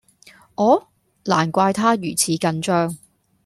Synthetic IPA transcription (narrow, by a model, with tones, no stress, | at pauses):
ʔɔː˨˥ | laː˨˩nkʷaː˧jt̪ʰaː˥jyː˨˩t͡sʰiː˨˥kɐ˧nt͡ʃœː˥ŋ